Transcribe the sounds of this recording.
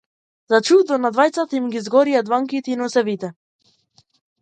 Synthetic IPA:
zat͡ʃud̪ɔnad̪vajt̪sat̪aimɡizɡɔɾijad̪vaŋkit̪ɛinɔsɛvit̪ɛ

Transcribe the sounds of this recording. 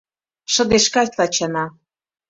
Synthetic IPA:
ʃɤ̆d̪eʃkɑssɑt͡ɕɑnɑ

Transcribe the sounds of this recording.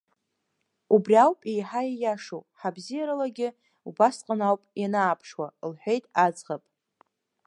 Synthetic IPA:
ubrʲiawpʼejħajajaʂowħabzijaɾalaɡʲɪ | ubasqʼənawpʼjanaːpʰʂwalħʷᶣejtʼad͡zʼʁapʼ

